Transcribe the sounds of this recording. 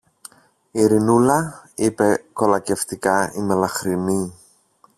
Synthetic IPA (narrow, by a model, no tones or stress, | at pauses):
iɾinulɐipe̞ko̞lɐce̞ft̪ikɐimelɐxɾini